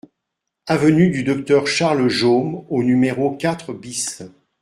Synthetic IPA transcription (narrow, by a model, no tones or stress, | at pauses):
avənyd̪yd̪ɔk̚t̪œʁʃaʁləʒomonymeʁokʲat̪χəbis